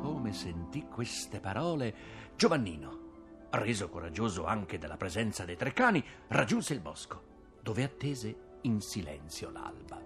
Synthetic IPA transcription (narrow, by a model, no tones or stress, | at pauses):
koːmesent̪ikːwest̪epaɾɔːle | d͡ʒovanːiːno | reːzokoɾad͡ʒːoːzoaŋk̟ed̪elːapɾezɛnt̪sad̪ejt̪ɾekːaːnirad͡ʒːunseilbɔsko | d̪oːveat̪ːeːze | insilɛ̰nt̪sjola̰lba